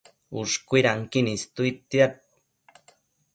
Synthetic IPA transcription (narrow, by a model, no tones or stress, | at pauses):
uʂkʷuiɾaŋkinist̪uit̪ːiat̪̚